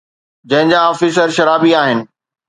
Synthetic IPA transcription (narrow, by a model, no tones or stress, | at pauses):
d͡ʑɐ̃ɦɪ̃ɲd͡ʑaɔːfiːs̬əɾʃɐɾaːbiaːɦɪnɪ̆